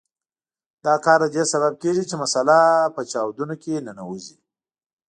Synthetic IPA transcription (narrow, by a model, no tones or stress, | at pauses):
d̪ɑkɑɾd̪ad̪esaβab̚keʒit͡ʃemasalapət͡ʃɑwd̪unokenanawuzi